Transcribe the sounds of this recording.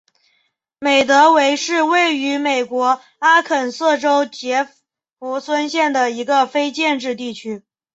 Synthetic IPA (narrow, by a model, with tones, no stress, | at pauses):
me˨˩ɪt̪ɤ˧˥we˧˥ɪʂɻ̩˥˧we˥˩ɪy˧˥me˨˩ɪkwɔ˧˥ | a˥kʰə˨˩nsɤ˥˩ʈ͡ʂo˥ʊt͡ɕjɛ˧˥ | fu˧˥swə˥nɕjɛ˥˩nd̪ə˩i˧˥ɡə˧fe˥ɪt͡ɕjɛ˥˧nʈ͡ʂɻ̩˥˧t̪i˥˩t͡ɕʰy˥